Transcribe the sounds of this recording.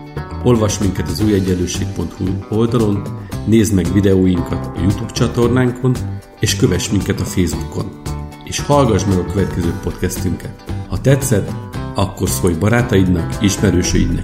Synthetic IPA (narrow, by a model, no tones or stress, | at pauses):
o̞lvɒʃmiŋkɛt̪ɒzuːjɛɟːɛlːøːʃeːk̚po̞nt̪huo̞ld̪ɒlo̞nːeːzmɛɡvid̪ɛoːjiŋkɒt̪ɒjut̪uːbt͡ʃɒt̪o̞rnaːŋkʰo̞n | eːʃkø̞vɛʃmiŋkɛt̪ɒfeːzbuko̞̰n | eːʃhɒlɡɒʒmɛɡɒkøvɛt̪kɛzøːpo̞t̪kɛst̪yŋkɛt̪hɒt̪ɛt̪sɛt̪ɒkːo̞rso̞jbɒɾaːt̪ɒjid̪nɒkiʃmɛɾøːʃø̰jḭd̪nɒ̰